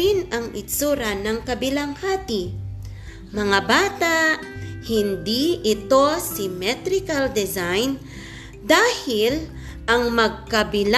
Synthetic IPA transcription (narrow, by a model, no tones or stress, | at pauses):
ɪnɐŋʔɪsuːɾanɐŋkɐbɪlaŋhaːt̪i | mɐŋabaːt̪aʔhɪnd̪iʔɪt̪o̞sɪmɛt̪ɾɪkɐld̪ɛzajn | d̪aːhɪl | ʔɐŋmɐɡ̚kɐbɪl